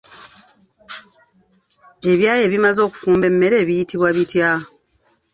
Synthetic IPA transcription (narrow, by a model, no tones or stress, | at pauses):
e̞βjaːje̞βimazo̞ːku̥fuːmbe̞mːe̞ɾe̞ːβijitiβwaβitja